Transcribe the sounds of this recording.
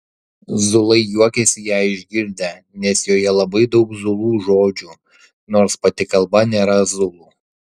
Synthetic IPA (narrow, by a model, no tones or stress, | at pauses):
zʊlˠɐɪjuɔkʲɛsʲɪjæːɪʒʲɡʲɪɾʲd̪ʲɛ | nʲɛsjoːjɛlˠɐbɐɪd̪ɒʊkzʊlˠuːʒoːd͡ʒʲuː | noːɾspɐt̪ʲɪkɐlˠbɐnʲeːɾɐzʊlˠuː